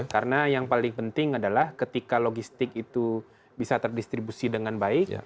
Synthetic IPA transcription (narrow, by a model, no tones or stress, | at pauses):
kaɾənajaŋpalɪŋpənt̪ɪŋadalahkət̪ikaloɡist̪ɪkit̪u | bisat̪ərdist̪ɾibusidəŋanbaɪk